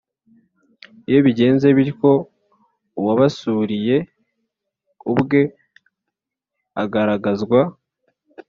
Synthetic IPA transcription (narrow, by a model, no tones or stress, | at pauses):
ijo̞βiɟe̞ːnze̞βiɾiko̞ | waβasuɾije̞ | ubɡe̞ | aɡaɾaɡazɡwa